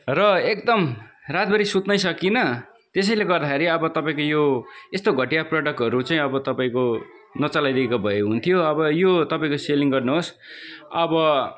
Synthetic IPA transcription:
rʌekd̪ʌmrat̪̚bʌɾisut̪nʌjsʌkinʌ | t̪es̬ʌjleɡʌrd̪axeɾiʌbʌt̪ʌpaĩkojoest̪oɡʱʌʈijaproɖʌk̚ʈɦʌɾut͡saĩʌbʌt̪ʌpaĩko | nʌt͡salajd̪iekabʱʌeɦunt̪ʰijoʌbʌjot̪ʌpaĩkoseliŋɡʌrnuɦos | ʌbʌ

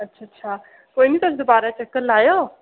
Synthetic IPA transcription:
ətːɕʰatːɕʰa | koniːt̪əsd̪əbaɾat͡ɕəkːəlːajə

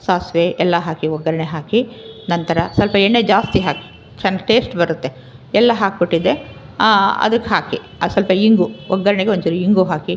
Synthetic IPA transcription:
saːsʋeɛlːɐɦaːkiɔɡɐɾɐɳeɦaːkinɐnt̪ɐɾɐsɐlpɐenːed͡ʒaːst̪iɦaːki̥ | t͡ʃɐnːɐʈe̞ːsʈbɐɾut̪ːe̞ | ɛlːɐɦaːkkoʈːid̪e | ɐ̰d̪ɐkːeɦaːki | ɐsɐlpɐiŋɡuɔɡːɐɾɐɳeɡeonːt͡ʃiɾuiŋɡuɦaːki

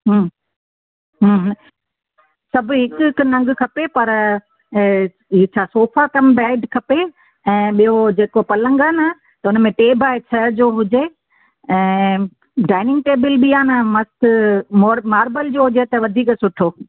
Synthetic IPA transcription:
ɦː | ɦ | sɐbʱʊɦɪkʊkʊnɐ̃ŋɡkʰɐpepɐɾ | ɦit͡ɕʰaːsoːfakɐmbaːɪɖkʰɐpe | ɛ̃ːɓijɦod͡ʑeːkopɐlə̃ŋɡəna | t̪ɐʊnmẽʈeːbʱaːɪt͡ɕʰɐd͡ʑoɦʊd͡ʑe | ɛ̃ː | ɖaːɪnɪ̃ŋɡ̚ʈeːbəlɓiaːnəmɐst̪moːmaːɾbəld͡ʑoːɦʊd͡ʑet̪ɐʋɐd̪ʱiːksʊʈʰoː

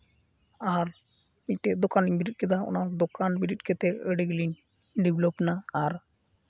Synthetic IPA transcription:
aɾ | iɲʈɛd̪ɔkaniɲbiɾit̚kɛd̪aɔ̰nad̪ɔkanbiɾit̚kɛt̪ɛəɽɛɡlin | ɖiblɔpnaːɾ

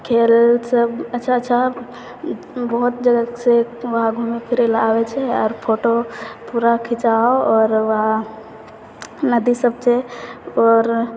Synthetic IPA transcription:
kʰelsəbətːt͡ʃʰaətːʃʰa | bəɦut̪̚d͡ʒəɡəkseʋəɦaɡʱumepʰiɾelabɛt͡ʃʰɛɔɾpʰoʈopuɾakʰit͡ʃaɔɾʋəɦa | nəd̪isəb̚t͡ʃʰɛɔɾ

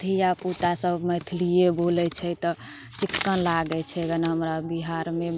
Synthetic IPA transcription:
t̪ʰijapuʈasəbməjt̪ʰlijebolɛt͡ʃʰɛt̪ɔ | t͡ʃikːənlaɡɛt͡ʃʰɛɡənaɦəmɾabiɦaɾme

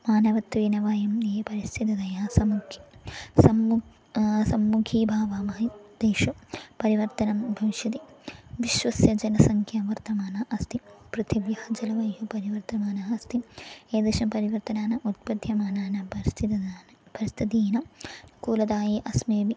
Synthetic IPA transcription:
maːnɐʋɐt̪ʋiːnɐʋaːjɐmeːpɐɾist̪ʰit̪ɐd̪ɐjaːsɐmukʰi̥sɐm | sɐmːukʰiːbʱaːʋaːmɐːid̪eːʃupɐɾiʋɐɾt̪ɐnɐmbʱɐʋiʃjɐt̪iʋiʃʋɐsjɐd͡ʒɐnɐsɐŋkʰjaʋɐɾt̪ɐmaːnɐʔɐst̪ʰipɾut̪ʰiʋjɐhɐd͡ʒɐlɐʋɐjjupɐɾiʋɐɾt̪ɐmaːnaɐst̪ieːd̪eːʃɐpɐɾiʋɐɾt̪ɐnaːnɐʔut̪̚pɐd̪ʱjɐmaːnaːnɐst̪ʰit̪ː | b̥ʱɐɾist̪ʰit̪iːnɐkuːlɐd̪aːjiʔɐsmeːʋi

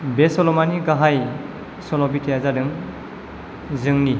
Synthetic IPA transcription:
besɔlɔmaniɡaɦaj | sɔlɔbitʰejazadɯŋ | zɯŋni

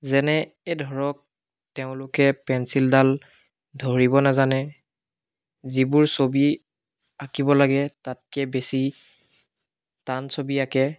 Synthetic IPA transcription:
zɛnɛ | edʱɔɹɔk̚ | teʊ̃lʊkɛpɛnsildal | dʱoɹibɔnazanɛ | zibʊɹsobi | akibɔlaɡɛtat̚kɛbesi | tansobiakɛ

